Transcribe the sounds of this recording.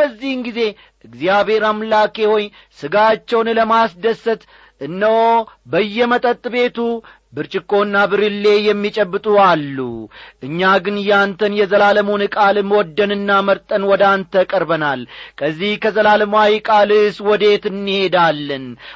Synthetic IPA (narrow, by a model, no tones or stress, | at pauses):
bəzːihɨnɡize̞ | ʔɨɡzijaβhe̞ɾamlake̞wɔj | sɨɡat͡ʃːɛwnləmasd̪əsːət̪ | ʔɨnːəwbəjːɛmət̪ʼət̪ʼːɨbe̞t̪u | bɨɾt͡ʃʼɪkːo̞ɨnːabɨɾɨlːe̞jɛmːit͡ʃʼɛbːɨt̪ʼualːṵʔɨɲːaɡɨnjant̪ʰənjɛzəlaləmunɨkʼalmwɔd̪ːənɨnːaməɾt̪ʼənwɔd̪ant̪ʰəkʼəɾbənalkʰəzːihkʰəzəlaləmajikʼalɨswɔd̪e̞t̪ɨnːihe̞d̪alːɨn